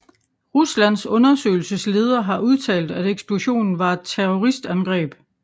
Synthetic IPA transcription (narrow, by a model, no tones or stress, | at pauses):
ʁuslæn̰sɔ̽nɐsø̰ɪl̩səsle̝ːð̞ˠɐɦɑ̈ʔuð̞ˠt͡sʰɛ̰ːld̥æɾeɡ̥sb̥luɕo̝̰ːnn̩ʋɑ̈e̝d̥̚t͡sʰeʁɔʁisd̥ænɡ̥ʁɛ̰ːb̥